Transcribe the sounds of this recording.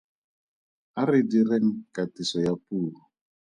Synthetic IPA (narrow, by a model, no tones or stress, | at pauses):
aridireŋikatisɔjapuːlɔ